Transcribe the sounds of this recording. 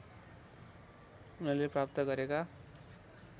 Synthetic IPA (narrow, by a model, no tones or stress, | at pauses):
unʌrleprap̚t̪ʌɡʌɾeka